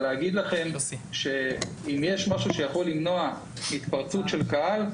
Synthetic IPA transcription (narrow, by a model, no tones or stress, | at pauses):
leaɡid̪laχe̞mʃe̞ | imjeʃmaʃuʃejaχo̞lːimno̞a | it̪paʁt͡sutʃe̞lkaal